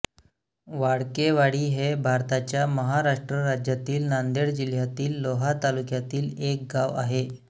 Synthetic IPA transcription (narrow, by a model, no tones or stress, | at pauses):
ʋaɽkeʋaɽiːɦebʱaɾt̪at͡ɕjaməɦaɾaʂʈɾəɾad͡ʑjat̪iːlnand̪eɽd͡ʑil̤jat̪iːlːoɦat̪alukjat̪iːlek̚ɡaʋa̰ɦe